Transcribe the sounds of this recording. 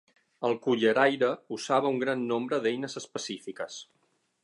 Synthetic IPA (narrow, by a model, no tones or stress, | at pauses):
əlˠkuʎəɾajɾəuzaβ̞əuŋɡɾanːombɾəðɛjnəzəspəsifikəs